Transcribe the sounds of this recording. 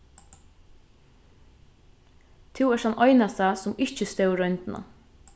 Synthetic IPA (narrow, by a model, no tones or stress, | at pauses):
t̪ʰɪwɛɾhanʔɔjnast̪asʊmɪht͡ʃəst̪ɛwɾœʏnt̪na̰